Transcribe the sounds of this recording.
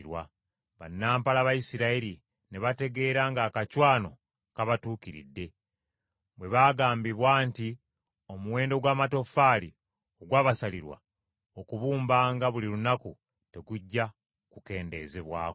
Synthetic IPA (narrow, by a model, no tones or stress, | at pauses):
ɾwa̰ | βa̰nːaːmpalaβajisiɾaiɾi | neβate̞ɡe̞ːɾaŋɡaːkacwaːno̞ | kaβatuːkiɾḭdːe̞ | βwe̞βaːɡaːmbiβwaːnti | o̞muwe̞ːndo̞ɡwaːmato̞faɾi | o̞ɡwaːβasaliɾwa̰ | o̞kuβuːmbaːŋɡaβuliɾunaku | te̞ɡuɟːa | kuke̞ːnde̞̰ːze̞βwa̰ːk